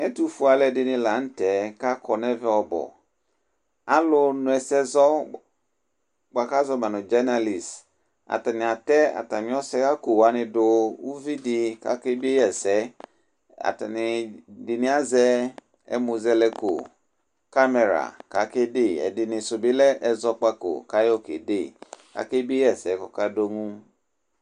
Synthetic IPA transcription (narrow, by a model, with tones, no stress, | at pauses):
ɛ˦tu˦fu˨˦a˨lɛ˦˨dɪ˨nɪ̃˨la˨˦n̩˦tɛ˨˦ka˦kʰɔ˨nɛ˦vɛ˦ɔ˨bɔ̰˨ | a˦lʊ˦nʊ̃˨ɛ˨sɛ˦zɔ˦ | ɡ͡ba˨ka˦zɔ˦mã˨nʊ̃˨d͡ʒa˦na˨li˨s | a̰˨ta˨nɪ̃˨a˨tɛ˦a̰˨ta˨nɪ̃˨˦ɔ˦sɛ˦ka˦ko˨wa˨nɪ̃˨dʊ˦wu˦vi˦dɪ˦ka̰˨kɪ˦bi˦e˦jɛ˨sɛ˨˦ | a̰˨ta˨nɪ˨dɪ˨nɪ˨a˦zɛ˦ | ɛ̰˦mu˧zɛ˧lɛ˧ko̰˨ | ka˦mɛ˨ɾa̰˨ka˨˦ke˦de˦˨ɛ̰˨dɪ˨nɪ˨sʊ˨bi˦lɛ˦ʔɛ˧zɔ˧k͡pa˧ko̰˨ka˨˦jo˦kḛ˨de˦˨ka̰˦ke˦bi˦e˦jɛ˦˨sɛ˨˦kɔ˨ka˦do˦ŋũ˦